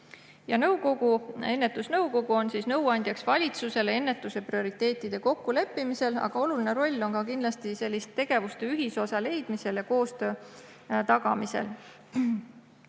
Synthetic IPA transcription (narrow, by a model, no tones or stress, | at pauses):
jɑnɤwko̞ɡue̞nːe̞t̪ːˑusnɤwko̞ɡuo̞nsiːsnɤ̞wɑnʲd̪jɑksvɑlʲit̪suse̞le̞nːe̞t̪ːˑuse̞prio̞ɾit̪ːˑe̞ːt̪ːˑid̪̥e̞ko̞kːule̞pːimise̞lɑ̰ɡ̥ɑo̞luline̞ɾo̞lʲːo̞nkɑkind̪lɑst̪ise̞lːist̪ːe̞ɡ̥e̞vust̪e̞yɦiso̞sɑle̞jd̪̥mise̞ljɑko̞ːst̪ø̞ː | t̪ɑɡ̥ɑmise̞̰l